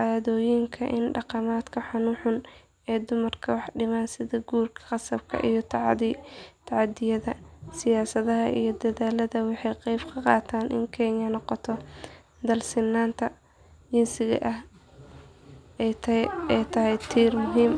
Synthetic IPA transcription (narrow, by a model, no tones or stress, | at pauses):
ʔaːðɔːjɪŋkʰɐʔɪnɖɑqɑmaːd̪kʰɐħʊnuːħʊn | ɛːd̪ʊmɐrkʰɐwɑħɖɪmaːnsɪðɐɡuːrkʰɐ̥qɑsɐb̥̚kʰɐ̰ʔijɞt̪ʰ | t̪ʰɑʕɑd̪ɪjɐðɐsɪjaːsɐðɐɦɐʔḭjɞd̪ɐðaːlɐðɐwɑħɑjqɑjbkʰɐqɑ̰ːt̪ʰaːnʔɪ̰ŋkʰɛːɲɐnɔqɔt̪ʰɔ | d̪ɐlsɪnːaːnt̪ʰɐ | d͡ʒɪnsɪɣɐ̰ʔɐh | ɛtɛjt̪ʰɐɦɛjt̪ʰiːrmʊɦiːm